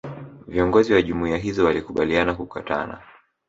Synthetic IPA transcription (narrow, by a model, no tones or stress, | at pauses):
viɔŋɡɔziwaʄumuiaɦizɔwalikuɓalianakukata̰na̰